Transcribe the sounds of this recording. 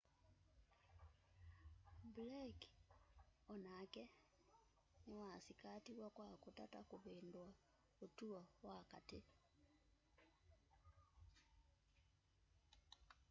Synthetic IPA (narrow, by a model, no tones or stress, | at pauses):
blak | ɔnakɛ | newasikatiwakwakotatakoβeːndwa | otuɔwakate